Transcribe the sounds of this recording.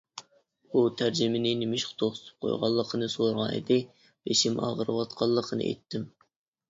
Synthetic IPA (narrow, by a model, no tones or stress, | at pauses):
ut̪ʰæɾd͡ʒɪmɪnɪnɪmɪʃqt̪ʰoχt̪ʰɨ̥p̚qʰo̰jʁɑ̰lˠːəqʰənɨsoɾʁɑnḛd̪ɪ | b̥eʃimʔɑ̰ʁəɾɨwɑt̪qʰɑlˠːəqʰənɨ̰ʔɛ̰jt̪ʰːɪm